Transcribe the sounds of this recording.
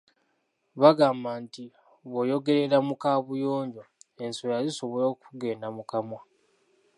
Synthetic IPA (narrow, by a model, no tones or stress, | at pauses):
βaɡaːmbanti | βo̞jo̞ɡe̞ɾe̞ɾamukaːβujo̞ːɲɟoensojaliso̞βolo̞ːkuɡe̞ːndamukamwa